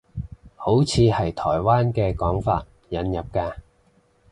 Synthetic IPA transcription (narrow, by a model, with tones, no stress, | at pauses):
ho˨˥wt͡sʰiː˨˧hɐ˨jt̪ʰɔː˨˩jwaː˥nkɛː˧kɔː˨˥ŋfa̰ː˧t̚ | jɐ˨˥njɐ˨p̚kaː˧